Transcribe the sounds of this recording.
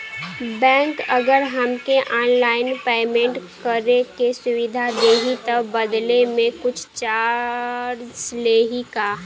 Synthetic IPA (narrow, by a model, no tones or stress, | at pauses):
bɛ̃ːŋkəɡəɾɦəmkeʔɔːnlaːɪnpeːmẽɳʈkəɾekesʊwɪd̪ʱad̪eːɦit̪əbəd̪lemẽkʊt͡ʃʰt͡ʃaːɾsleːɦikaː